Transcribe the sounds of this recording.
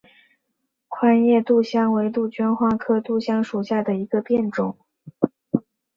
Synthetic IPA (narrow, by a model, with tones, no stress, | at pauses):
kʰwa˥njɛ˥˧t̪u˥˩ɕjɑ˥ŋwe˧˥ɪt̪u˥˩t͡ɕɥɛ˥nxwa˥˩kʰɤ˥t̪u˥˩ɕjɑ˥ŋʂu˨˩ɕja˥˩d̪ə˩i˧˥ɡə˧pjɛ˥˩nʈ͡ʂʊ˨˩˦ŋ